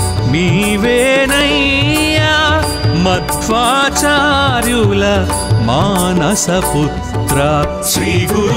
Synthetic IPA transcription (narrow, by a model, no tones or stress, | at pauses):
miʋeːnɐjjaː | mɐt̪ʋaːt͡ʃaːɾjulɐ | maːnɐsɐput̪ɾɐ | t͡ʃiɡ